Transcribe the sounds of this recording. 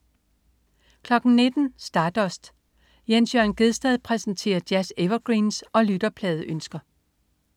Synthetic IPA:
kʰlɒ̽ɡ̥n̩ne̝d̥n̩sd̥ɑ̈ːd̥ɒsd̥ | jensjœɐnɡ̥e̝ðˠsd̥ɛðˠpʰʁɛsn̩t͡sʰe̝̰ːɐd̥jæseʋɐɡ̥ʁiːnsʔɒ̽lyd̥ɐpʰlɛːð̞̩ˠʔønsɡ̥ɐ

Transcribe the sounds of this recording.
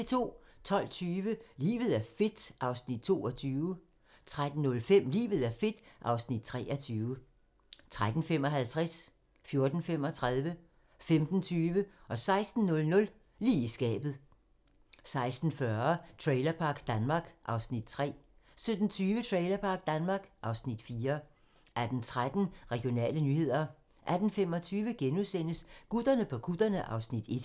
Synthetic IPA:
it͡sʰo̝̰ːt͡sʰɒ̽l̰t͡sʰyːʋəlḭːʋð̞̩ˠæɐfe̝d̥ʔɑ̈ʊsnid̥̚t͡sʰo̝ːɒt͡sʰyːʊ | t͡sʰʁad̥n̩nɔ̽lfem̰lḭːʋð̞̩ˠæɐfe̝d̥ʔɑ̈ʊsnid̥̚t͡sʰʁɛ̰ːʔɒt͡sʰyːʊə | t͡sʰʁad̥n̩fem̰ɒ̽ɦælt͡sʰʁas | fjo̝ɐd̥n̩fem̰ɒ̽t͡sʰʁaðˠʋə | femd̥n̩t͡sʰyːʋəʔɒ̽sɑ̈ɪsd̥n̩nɔ̽lnɔ̽l | liːisɡ̥ɛ̰ːb̥ð̞̩ˠ | sɑ̈ɪsd̥n̩fɶɐt͡sʰʁɛɪlɐpʰɑ̈ɡ̥d̥ænmɑ̈ːɡ̥ʔɑ̈ʊsnid̥̚t͡sʰʁɛ̰ːsød̥n̩t͡sʰyːʋət͡sʰʁɛɪlɐpʰɑ̈ːɡ̥̚d̥ænmɑ̈ːɡ̥ʔɑ̈ʊsnid̥fiːɐ | ʔæɐd̥n̩t͡sʰʁad̥n̩ʁɛɡ̥jo̝nɛ̰ːlənyhe̝ð̞̰ˠɐ | ʔæd̥n̩femɒ̽t͡sʰyːʋəɡ̥enusen̰əsɡ̥ud̥ɐnəpʰɒ̽ɡ̥ud̥ɐnəʔɑ̈ʊsnid̥e̝d̥

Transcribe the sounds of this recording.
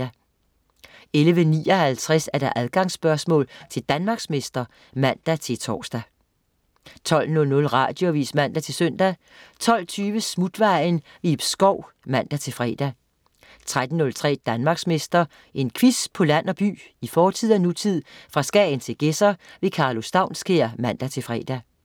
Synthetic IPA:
æ | elʋənḭːɒ̽hælt͡sʰʁæsæɐd̥ɑ̈ʔæðˠɡ̥ɑ̈ŋsb̥ɶɐsmɔ̰̽ːlt͡sʰe̝ld̥ænmɑ̈ːɡ̥sme̝sd̥ɐ | mæn̰d̥æt͡sʰe̝lt͡sʰɒ̰ːsd̥æ | t͡sʰɒ̽l̰nɔ̽lnɔ̽lʁɑ̰̈ːd̥jo̝ʋḭːsmæn̰d̥æt͡sʰe̝søn̰d̥æ | t͡sʰɒ̽l̰t͡sʰyːʋəsmud̥ʋɑ̈ɪnʋib̥sɡ̥ɒʊ̰mæn̰d̥æt͡sʰe̝lfʁɛ̰ːd̥æ | t͡sʰʁad̥n̩ːɔ̽lt͡sʰʁɛ̰ːd̥ænmɑ̈ːɡ̥sme̝sd̥ɐ | e̝nkʰʋispʰɒ̽læn̰ɒ̽b̥y̰ːifɒːt͡sʰið̰ˠænut͡sʰið̞̰ˠfʁɑ̈sɡ̥ɛ̰nt͡sʰe̝lɡ̥esɐʋe̝kʰɑ̈ːlo̝sd̥ɑ̈ʊnsɡ̥e̝ɐmæn̰d̥æt͡sʰe̝fʁɛ̰ːd̥æ

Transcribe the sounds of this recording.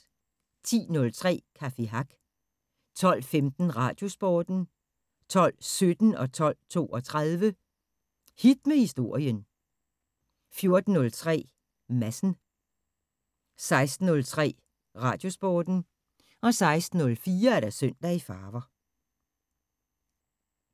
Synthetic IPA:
t͡sʰḭːnɔ̽lt͡sʰʁɛ̰ːkʰæfiɦɑɡ̥ | t͡sʰɒ̽l̰femd̥n̩ʁɑ̈ːd̥jo̝sb̥ɒːd̥n̩ | t͡sʰɒ̽l̰sød̥n̩ɒ̽t͡sʰɒ̽l̰t͡sʰo̝̰ːɒ̽t͡sʰʁaðˠʋə | hid̥̚mehisd̥o̝ɐ̰jən | fjo̝ɐd̥n̩ːɔ̽lt͡sʰʁɛ̰ː | mæsn̩ | sɑ̈ɪsd̥n̩ːɔ̽lt͡sʰʁɛ̰ː | ʁɑ̈ːd̥jo̝sb̥oːd̥n̩ | ɒ̽sɑ̈ɪsd̥n̩ɔ̽lfiːɐæɐɾæsøn̰d̥æifɑːʋɐ

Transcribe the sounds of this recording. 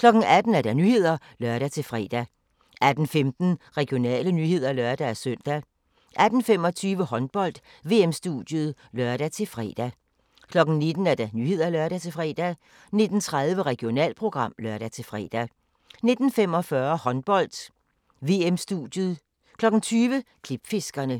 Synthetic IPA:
kʰlɒ̽ɡ̥ŋ̩æd̥n̩æɐd̥ænyːhe̝ð̞̰ˠɐ | lɶɐɾ̥æt͡sʰe̝lfʁɛ̰ːd̥æ | ʔæd̥n̩femd̥n̩ʁɛɡ̥jo̝nɛ̰ːlənyhe̝ð̞̰ˠɐlœɐd̥ææsøn̰d̥æ | ʔæd̥n̩fem̰ɒ̽t͡sʰyːʋəhɒ̽nb̥ɒ̽l̰d̥ | ʋe̝̰ːemsd̥ud̥jəð̩ˠlœɐɾ̥æt͡sʰe̝fʁɛ̰ːd̥æ | kʰlɒ̽ɡ̥n̩ne̝d̥n̩æɐd̥ænyːhe̝ð̞̰ˠɐælɶɐɾ̥æt͡sʰe̝fʁɛ̰ːd̥æ | ne̝d̥n̩t͡sʰʁaðˠʋəʁɛɡ̥ijo̝nɛ̰ːlpʰʁo̝ɡ̥ʁɑ̈m̰lœɐɾ̥æt͡sʰe̝fʁɛ̰ːd̥æ | ne̝d̥n̩fem̰ɒ̽fɶɐhɒ̽nb̥ɒ̽l̰d̥ | ʋe̝emsd̥ud̥jəð̩ˠ | kʰlɒ̽ɡ̥n̩t͡sʰyːʋəkʰlib̥fe̝sɡ̥ɐnə

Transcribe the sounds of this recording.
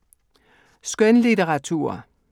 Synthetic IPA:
sɡ̥œnlit͡seʁɑ̈t͡sʰṵːɐ̰

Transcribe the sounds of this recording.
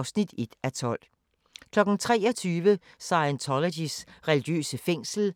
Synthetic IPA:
ʊsnid̥e̝d̥æt͡sʰɒ̽l̰ | kʰlɒ̽ɡ̥n̩t͡sʰʁɛ̰ːɒt͡sʰyːʋə | sɑ̈ɪænt͡sʰɒlodisʁɛliɡ̥jø̰ːsəfeŋ̰sl̩

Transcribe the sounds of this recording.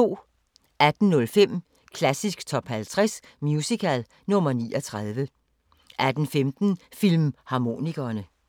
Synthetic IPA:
o̝̰ː | ʔæd̥n̩nɔ̽lfem̰ | kʰlæsisɡ̥t͡sʰɒ̽b̥hælt͡sʰʁɛs | mjusikʰæl | nɔ̽mɐnḭːʔɐt͡sʰʁað̞ˠʋə | ʔæd̥n̩femd̥n̩fil̰mhɑ̈mo̝ːniɡ̥ɐːnə

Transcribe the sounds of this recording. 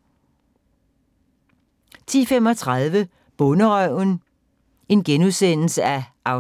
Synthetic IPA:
t͡sʰḭːfem̰ɒ̽t͡sʰʁað̞ˠʋə | b̥ɔ̽nəʁœʊ̰n | e̝nɡ̥enuðˠsen̰l̩səæʔɑ̈ʊ

